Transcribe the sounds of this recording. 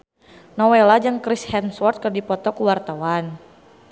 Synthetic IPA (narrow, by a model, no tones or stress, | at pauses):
nɔwelad͡ʒaŋkɾishɛnswɔrt̪̚kərdipɔt̪ɔkuwart̪awan